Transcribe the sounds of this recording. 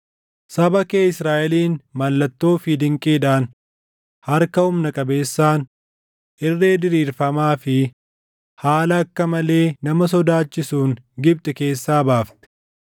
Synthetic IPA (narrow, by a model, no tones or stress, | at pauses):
sɐbɐkeːɪsɾaːʔɛliːnmɐlːɐt̪ːo̞ːfɪd̪ɪŋkʼeːd̪aːn | hɐɾkɐʊmnɐkʼɐbe̞ːsːaːn | ʔɪrːeːd̪ɪɾiːɾfɐmaːfɪ | haːlɐːkːɐmɐle̞ːnɐmɐs̬ɔd̪aːt͡ʃːɪsuːŋɡɪb̚t̪ʼɛke̞ːsːaːbaːft̪ɛ̥